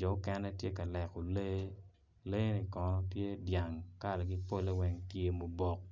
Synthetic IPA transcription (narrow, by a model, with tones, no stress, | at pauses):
d͡ʒɔ˨˦kɛ˦nɛ˦tje˦ka˨lɛ˨ku˨le˦ | le˦ni˨kɔ˨nɔ˦pje˦dja˨ŋka˦˨lɛ˨ɡi˦po˦le˦wɛ˦ŋtje˨mo˨bɔ˨k̚